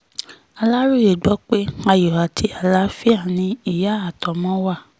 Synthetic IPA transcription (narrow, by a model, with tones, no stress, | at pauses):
a˧la˦ɾu˦je˨ɡ͡bɔ˨˦k͡pe˦a˧jɔ˨a˨tʰi˧˦a˨la˨˦fi˦a˦˨nĩ˧i˦˨ja˨˦a˨tɔ˨mɔ̃˦wa˦˨